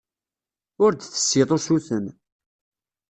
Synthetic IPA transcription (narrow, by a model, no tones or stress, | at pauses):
ʊɾd̪θə̥sːɪðˤosuθən